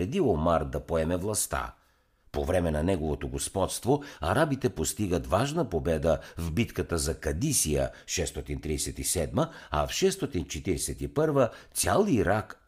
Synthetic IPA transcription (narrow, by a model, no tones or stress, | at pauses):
ɾɛd̪iomaɾd̪ɐpoɛmɛvlˠɐst̪a̰ | povɾɛmɛnɐnɛɡovot̪oɡospɔt̪st̪voɐɾabit̪ɛpost̪iɡət̪vaʒnəpobɛd̪əvbit̪kət̪əzɐkɐd̪isijə̰ʃɛst̪ɔt̪int̪ɾiɛsɛt̪isɛd̪məɐ̰fʃɛst̪ɔt̪int͡ʃɛt̪iɾɛsɛt̪ipɤɾvət̪sʲjalˠiːɾak